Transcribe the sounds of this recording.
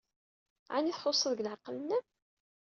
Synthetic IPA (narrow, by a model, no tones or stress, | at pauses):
ʕa̰niθħosˤːəðəɡlʕɑqːələnæ